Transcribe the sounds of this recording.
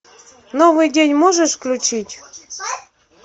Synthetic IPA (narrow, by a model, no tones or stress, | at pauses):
novɨjdʲenʲmoʐɨʂklʲʊt͡ɕitʲ